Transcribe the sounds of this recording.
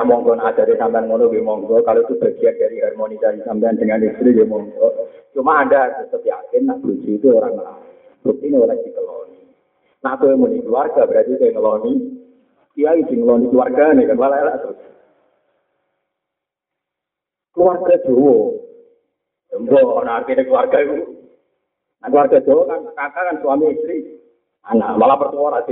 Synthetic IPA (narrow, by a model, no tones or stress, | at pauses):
aʔmɔŋɡɔnḁd͡ʒ̥a̤ɾesampaanmonobemɔŋɡɔkaloit̪ub̥a̤ɡ̥iat̪̚d̥aɾiarmɔnit͡ʃaɾisampijand̥əŋanist̪ɾibemɔŋɡɔt͡ʃumaːdat̪usəp̪ia̰kɪnːaʔb̥ud͡ʒit̪uoɾaŋːəla̰w | but̪ineoɾad̥ikəlɔ̰ni | naʔt̪ojmonikluarɡ̥abəɾat̪it̪oŋəlɔni | kiajisiŋəlɔnikluarɡanekanwalalaʔt̪u | kluarɡ̥ḁd͡ʒ̥owɔ | dɔŋɡɔnaːrt̪inekluwarɡ̥aiku | naʔkəluwarɡ̥ḁd͡ʒ̥owɔkankakakansuwamiːst̪ɾi | ana̰malapərt̪uɔɾasi